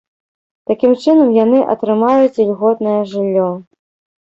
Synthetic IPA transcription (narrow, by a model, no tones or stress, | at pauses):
t̪akʲimt͡ʂɨnɐmjanɨʔɐ̰t̪ɾɨmajut͡sʲlʲɣɔt̪̚nɐjɐʐɨlʲːɔ